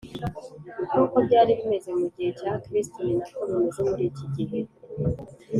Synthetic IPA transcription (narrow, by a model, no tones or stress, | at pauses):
bjokobɟaːɾiβime̞ze̞muɟihe̞caːkɾistoniɲɟikoɾoniʒomuɾiciɟiɦe